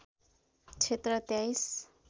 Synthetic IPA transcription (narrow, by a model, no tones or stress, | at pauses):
t͡ʃʰet̪ɾət̪jajs